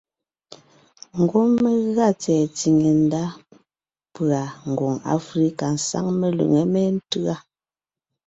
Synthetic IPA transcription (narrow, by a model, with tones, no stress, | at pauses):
ŋ̩˨ɡo˦me˦ɣa˦t͡sɛː˨t͡si˨ŋe˨n˦da˦ | pɰa˨ŋ̩˨ɡɔ˨ŋa̰˦fɾi˦ka˨n̩˨sa̰˦ŋme˦˨lṵ˨ŋe˨me˦n̩˦tɯ˦a˦